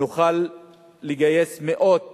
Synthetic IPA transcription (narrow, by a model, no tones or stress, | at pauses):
uχalː | iɡaje̞smeʔo̞d